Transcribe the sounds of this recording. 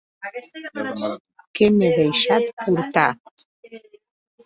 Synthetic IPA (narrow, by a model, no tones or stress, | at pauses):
kemeðəjʃat̪̚puɾt̪a